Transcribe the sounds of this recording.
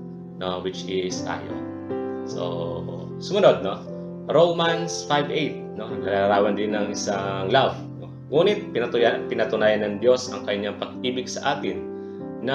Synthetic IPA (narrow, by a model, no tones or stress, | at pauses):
nowɪt͡ʃʔɪst̪a̰ːjo̰ | so̰ | sʊmɐnod̪̚no | ɾowmansfajvʔejt̪̚no̞nɐɾaɐɾaːwɐnd̪ɪnːɐŋʔɪsaŋlav | o | ŋuːnɪt̪̚pɪɐpɪnɐt̪ʊnaːjɐnɐŋd̪jo̞sɐŋkɐɲɲaŋpɐɡ̚iːbɪɡsɐʔaːt̪ɪnː | ɐ